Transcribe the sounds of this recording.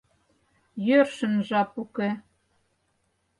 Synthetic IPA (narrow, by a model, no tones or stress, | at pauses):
jørʃə̆nʒɑpuke